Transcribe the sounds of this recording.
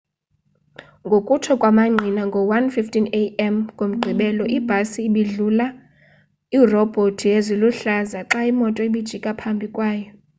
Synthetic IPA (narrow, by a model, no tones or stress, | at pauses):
ŋɡʱokʼutʰɔkʼwamaŋ͡ǀʱinaŋɡʱɔwanfiftʰʼineɛmkʼom̩ɡ͡ǃʱiɓɛlɔʔib̥ʱasiːɓiɮula | irɔb̥ʱotʰieziluɬazaǁaimɔtʼɔiɓid̥ʒ̥ʱikʼapʰambʱikʼwaːjɔ